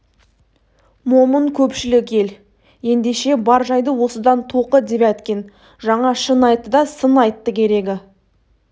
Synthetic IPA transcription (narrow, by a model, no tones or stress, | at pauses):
mo̞məŋkʲʰɵpʃɪlɪkʲe̞l | je̞nd̪e̞ʃe̞bɑɾʒɑjd̪əwo̞səd̪ɑnt̪ʰoqəd̪e̞pæt̪kʲe̞n | ʒɑɴɑʃənɑjt̪ːəd̪ɑsənɑjt̪ːəkʲʰe̞ɾe̞ɡʲɪ